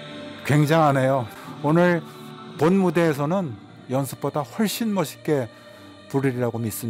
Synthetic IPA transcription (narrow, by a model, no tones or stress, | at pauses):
kwe̞ŋd͡ʑaŋanejoonɯɾponmude̞ːsʰʌnɯn | jʌnsʰɯ̥p̚p͈odaɸwʌɭɕ͈inmʌɕʰi̥k͈e̞ | puɾiɾiɾaɡomis͈ɯ